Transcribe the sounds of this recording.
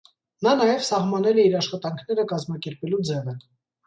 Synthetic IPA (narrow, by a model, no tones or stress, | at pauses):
nɑnɑjɛvsɑhmɑnɛlɛiɾɑʃχɑt̪ɑŋkʰn̪ɛɾəkɑzmɑkɛɾpɛlud͡zɛvə